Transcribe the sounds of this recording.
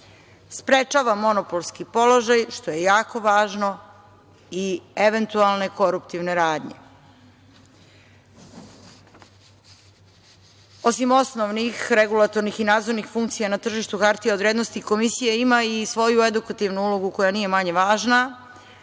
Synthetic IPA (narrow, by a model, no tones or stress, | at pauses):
spɾe̞t͡ʃaːʋamo̞nopolˠskipo̞lo̞ʒajʃt̪o̞je̞jaːko̞ʋaːʒno̞ | ie̞ʋe̞nt̪ualˠne̞ko̞ɾupt̪iʋne̞ɾaːd̪ɲe̞̰ | o̞simo̞snoʋnixɾe̞ɡulˠat̪o̞ɾnixinaːd̪zo̞ɾnixfuŋk̚t̪sijanat̪r̩ʒiʃt̪uxaɾt̪ijad̪ʋɾjed̪no̞st̪iko̞misijeimaisʋo̞jue̞d̪ukat̪iʋnuulo̞ɡuko̞janije̞maɲeʋaːʒna